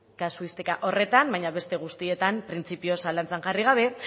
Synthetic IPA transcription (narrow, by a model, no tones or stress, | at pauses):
kasuist̪ekaʔo̞re̞t̪ambajɲaβe̞st̪e̞ɣ̞ust̪ie̞t̪ampɾint͡sipio̞salant͡seŋʝariɣ̞aβ̞e̞